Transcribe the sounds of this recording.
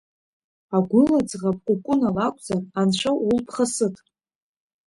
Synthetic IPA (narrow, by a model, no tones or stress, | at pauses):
aɡʷʊlad͡zʁapʼkʷʼʊkʷʼʊnalakʷʼd͡zananʂʷʰawulpʰχasɨtʼ